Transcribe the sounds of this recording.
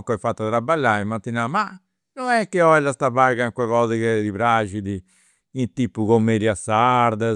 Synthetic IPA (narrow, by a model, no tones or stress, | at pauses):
kɔjfat̪ːat̪ɾabalːaːimːat̪ːinama | nɔnɛkːeɔɛlːast̪aβaɡaŋkwɛɣɔːzɛkɛd̪iβɾad͡ʒid̪i | int̪iːpːukomːed̪jasːaɾd̪a